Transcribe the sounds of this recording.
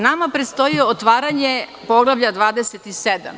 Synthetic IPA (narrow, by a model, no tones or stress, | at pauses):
namapɾet̪st̪o̞jioot̪ʋaːɾaɲepo̞ɡlˠaʋʎad̪ʋaːd̪eset̪ised̪a̰m